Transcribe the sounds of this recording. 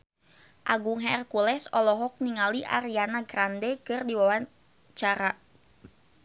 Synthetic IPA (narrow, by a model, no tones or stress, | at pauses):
ʔaɡuŋɦɛrkulɛsɔlɔɦɔk̚niŋaliʔa̰ɾianaɡɾandɛkɨrdiwawa | t͡ʃaɾa